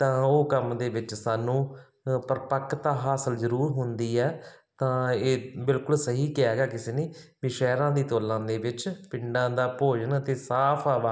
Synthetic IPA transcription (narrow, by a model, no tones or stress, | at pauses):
t̪ãːoːkəmd̪eːʋɪt͡ʃsaːnũː | pəɾpəkʰːt̪aːɦaːsəlzəɾuːɾɦʊnd̪iːɛːt̪ãːeːbɪlkʊlsəɦiːkɪɛːɡaːkɪseːneː | ʋiːʃɛːɾãːd̪iːt̪oːlãːd̪eːʋɪt͡ʃpɪɳɖãːd̪aːpoːd͡ʒənət̪eːsaːpʰaːʋaː